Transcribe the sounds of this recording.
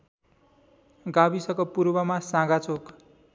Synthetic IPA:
ɡabisʌkopuɾbʌmasãɡat͡sok

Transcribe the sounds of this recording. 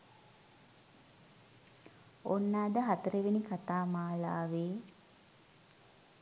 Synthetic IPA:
onːaːd̪əɦat̪əɾeʋenikat̪aːmaːlaːʋeː

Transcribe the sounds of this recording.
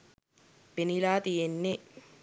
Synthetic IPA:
penilaːt̪ijenːe

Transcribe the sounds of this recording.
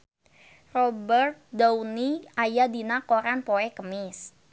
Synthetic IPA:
rɔbərt̪̚dauniajadinakoɾanpoɛkəmɪs

